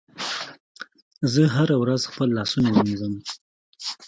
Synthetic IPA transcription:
zəɦaɾawɾazxpəlːɑsunawənizəm

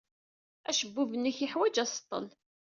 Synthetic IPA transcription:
æʃəbːuvənːiçiħwæd͡ʒæsə̥t̪ˤːə̰l

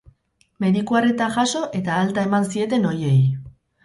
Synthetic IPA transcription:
me̞ðikuaret̪aʝaso̞ʔe̞t̪aːlt̪ae̞mansie̞t̪e̞no̞je̞j

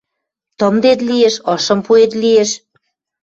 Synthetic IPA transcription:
t̪ɤmd̪et̪̬lieʃɤʃə̆mpuet̪̬lieʃ

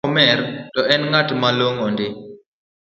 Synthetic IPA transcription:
ɔmɛrtɔɛnŋatmaloŋɔndɪ

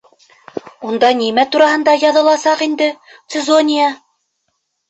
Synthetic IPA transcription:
und̪ɑnimæt̪uɾɑɦɤ̆nd̪ɑjɑðɤ̆lˠɑsɑqind̪ɘ | t̪sɘzonʲija

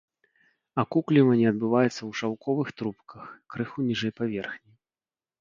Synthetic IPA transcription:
ɐkuklʲivɐnʲiɐd̪̚bɨvajɛt̪sːɐwʂawkʰɔvɨxt̪ɾupkɐxkɾɨxunʲiʐɛjpavʲɛrxnʲi

